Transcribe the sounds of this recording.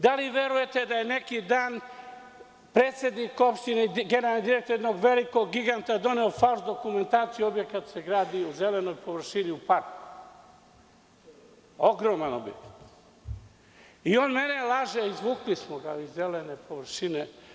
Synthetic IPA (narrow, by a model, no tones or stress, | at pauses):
d̪aliʋeɾuje̞t̪ed̪ajene̞kid̪aːn | pɾeːt̪sje̞d̪niko̞pʃt̪ineɡeneɾalnid̪iɾekt̪oɾjed̪noɡʋe̞liko̞ɡːiɡant̪ad̪o̞neofauzd̪o̞kume̞nt̪aːt̪sijuo̞bje̞kat̪se̞ɡɾaːd̪iuzeleno̞jpo̞ʋr̩ʃiniupaɾk̪u | o̞ɡɾoːmano̰bjḛkḁt̪ | ioːnme̞nelˠaʒeizʋuːklismoɡaizːelenepo̞ʋr̩ʃine